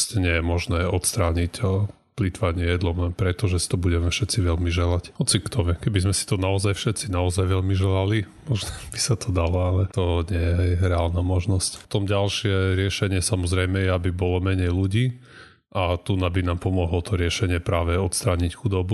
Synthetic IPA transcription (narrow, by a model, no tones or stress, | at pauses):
scɲɪɛjɛmɔʒnɛːɔt̪st̪ɾaːɲic | plit̪ʋaɲɪɛjɛd̪lɔmɛpɾɛt̪ɔʒɛsi̥t̪ɔbuɟɛmɛfʃɛt͡siʋɛlmiʒɛlachɔt͡sikt̪ɔmɛkɛbizmɛsi̥t̪ɔnaɔzajfʃɛt̪t͡sinaɔzajʋɛʎmiʒɛlalimɔʒnɛb̥isat̪ʰɔd̪alɔalɛt̪ɔɲɪɛjɛɾɛaːlnaːmɔʒnɔsct̪ɔmɟalʃɪɛɾɪɛʃɛɲɪɛsamɔzɾɛjmɛjɛabibɔlɔmɛɲɛjluɟiː | ʔat̪unabinaːmpɔmɔɦlɔt̪ɔɾɪɛʃɛɲɪɛpɾaːʋɛɔt̪st̪ɾaːɲicxud̪ɔbu